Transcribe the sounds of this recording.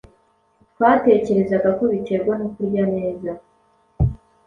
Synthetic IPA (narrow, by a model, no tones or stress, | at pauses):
twaːte̞ːce̞ɾe̞zaɡako̞βit͡ʃe̞ɾɡwanokuɾɟane̞ːza